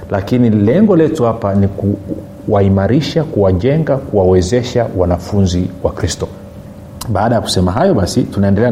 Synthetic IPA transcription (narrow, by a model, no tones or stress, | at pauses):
lʔakinilɛŋɡɔlɛtuhapaniku | waimaɾiʃakuwaʄɛŋɡakuwawɛzɛʃawanafunziwakɾistɔ | ɓaːɗajaku̥sɛmaɦajɔɓasitunaɛndɛlɛa